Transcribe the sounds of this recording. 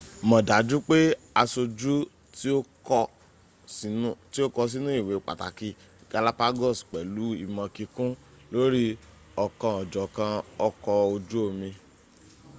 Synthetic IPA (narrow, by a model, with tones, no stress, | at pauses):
mɔ̃˨da˨˦d͡ʒu˦k͡pe˦ | a˧so˧d͡ʒu˦ | to˦kɔ˧˦ | ti˦o˦kɔ˧s̬i˦nũ˦i˦˨we˨k͡pa̰˨ta̰˨ki˧ | ɡ̥a˨˧la˦pa˦ɡɔ˦˨sk͡pɛ˨lu˨˦i˧mɔ̃˧ki˧kũ˦ | lo˦ɾi˦ | ɔ˧˨kã˧ɔ˨d͡ʒɔ˨kã˧ɔ˦˧kɔ˧o˧d͡ʒu˦o˧mĩ˧